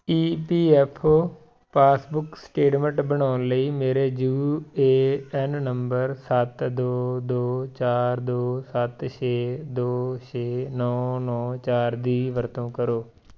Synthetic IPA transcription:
iːpiːɛpʰo | pʰaːsbʊksʈeːʈmə̃ɳʈbəɽ̃aːʊnləiːmeːɾeːd͡ʒuːeːɛnːəmbəɾsət̪d̪oːd̪oːt͡ʃaːɾd̪oːsət̪t͡ʃʰeːd̪oːt͡ʃeːnɔːnɔːt͡ʃaːɾd̪iːʋəɾt̪õːkəɾoː

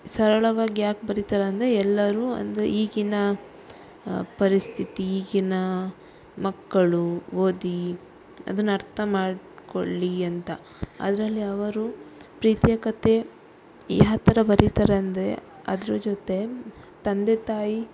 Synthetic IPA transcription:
sɐɾɐɭɐʋaːɡijaːk̚bɐɾit̪ɐɾeɐnd̪ɾeɛlːɐɾuːɐ̰nd̪eiːɡinɐ | pɐɾist̪ʰit̪iːɡinɐ | mɐkːɐɭuʋoːd̪i | ɐ̰d̪ɐnːuɐɾt̪ʰɐmaːɽ | ko̰ɭːiɐnt̪ɐ | ɐ̰d̪ɐɾɐlːiɐʋɐɾupɾiːt̪jɐkɐt̪e̞ | ḭɦɐt̪ːɐɾɐbɐɾit̪ɐɾeɐnd̪ɾḛ | ɐ̰d̪ɐɾud͡ʒot̪e̞ | t̪ɐnd̪et̪aːji

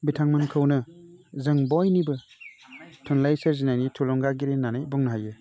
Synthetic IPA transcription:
bitʰaŋmɯnkʰɯwnɯzɯŋbɔjnibɯ | tʰɔnlajseɾzinajnitʰulɔŋɡaɡiɾenːanajbɔŋnɐɦajɯ

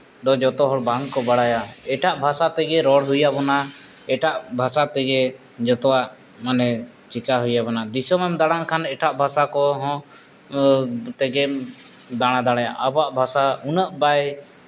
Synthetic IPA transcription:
d̪ɔd͡ʒɔt̪ɔɦɔɽbaŋɡkɔbaɽajaɛʈaʔbʱasat̪ɛɡɛɾɔɽɦujabɔna | ɛʈaʔbʱasat̪ɛɡɛ | d͡ʒɔt̪ɔwaʔ | manɛ | t͡ʃikaɦujabɔnad̪isɔmɛmd̪aɽ̃ankʰanɛʈʰaʔbʱasakɔɦɔ̃ | t̪ɛɡɛ | d̪aɽ̃ad̪aɽ̃aja̰ʔabɔaʔbʱasaunəʔbaj

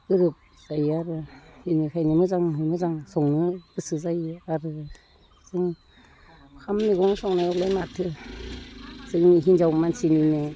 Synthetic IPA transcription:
ɯɾɯp̚ | z̥ajaɾɯhinikʰajnimɯzaŋhmɯzaŋsɔŋnɯ̥ɯsɯzajaɾɯ | zɯŋ | kʰamːiɡɔŋsɔŋnajɔklajmatʰɯ | zɯŋniɦinzawmansinine

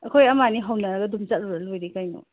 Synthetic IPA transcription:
ɐkʰojɐmaniɦawnɐɾɐɡɐdumzat̚ɾuɾɐlojɾikajnɔ̰

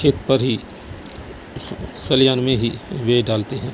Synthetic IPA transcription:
ʃeːk̪pɐɾɦi | xɐljaːnmẽɦiʋeːɖaːlt̪eɦɛ̃ː

